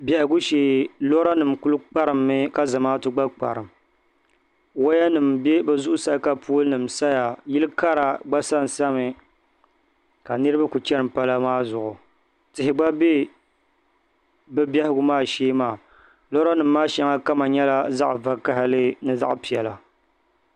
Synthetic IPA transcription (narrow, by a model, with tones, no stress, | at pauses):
bʲɛ˨hɪ˨ɡʊ˦ʃeː˨lo˦ɾa˦nɨ˨mkʊ˦lɨ˦k͡pa˦ɾɨ˨mːɨ˦ka˦zɨ˨maː˦tɨ˦ɡ͡ba˦k͡pa̰˨ɾɨ˨m˨ | wo˦ja˦nɨ˨mbe˦bɛ˨zʊ˦ʔʊ˦sa˦ka˦pu˦lɨ˦nɨ˨msa˦ja˨jɪ˦lɨ˦ka˦ɾa˨ɡ͡ba˦sa˦n˨sa˦mɨ˨ | ka˨nɨ˦ɾɨ˦ba˦ku˨t͡ʃɛ˦ɾɨ˨mpa˦la˦maː˦zʊ˨ʔʊ˨ | tɪ˨ɦɪ˨ɡ͡ba˦be˦ | bɨ˦bʲɛ˦hɪ˦ɡʊ˦maː˦˨ʃeː˦maː˨ | lo˦ɾa˦nɨ˨mːaː˦ʃɛ˦ŋa˦ka˦ma˨ɲɛ˦la˦za˦ʔva˦ka˦hɪ˦lɨ˦nɨ˦za̰˦ʔpi˨ɛ˨la˨